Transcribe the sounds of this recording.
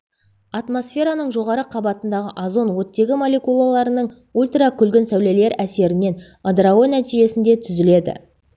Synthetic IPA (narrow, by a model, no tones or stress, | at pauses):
at̪mo̞sfʲe̞ɾanəɴʒo̞ʁɑɾəqʰɑbɑt̪ənd̪ɑʁə̰ʔazo̞nwɵt̪ːe̞ɡʲɪmo̞lʲe̞kulˠalˠɑɾənəɴ | ulʲt̪rakʲʰʏlɡʲɪnsæwlele̞ɾæse̞ɾɪne̞n | ad̪raɡonæt̪iʒe̞sɪnd̪e̞t̪ʰʏzɪle̞d̪ɪ̰